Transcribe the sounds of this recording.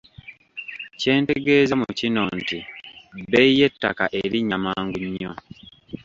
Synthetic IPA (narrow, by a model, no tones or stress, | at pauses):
ce̞ːnte̞ɡe̞ːzemucino̞ntibeije̞tːa̰ka̰ʔeɾiɲːamaːŋɡuɲːo